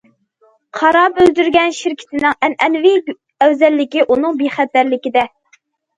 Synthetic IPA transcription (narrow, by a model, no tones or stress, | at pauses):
qʰɑɾɑbøld̪yɾɡʲɛnʃiɾkʲʰɪ̥t̪ʰɪnɪŋɛnɛnvɪ | ɛwzɛlːɪkʲiʔunɨŋbeχæt̪ːæɾlɪkʲid̪ɛ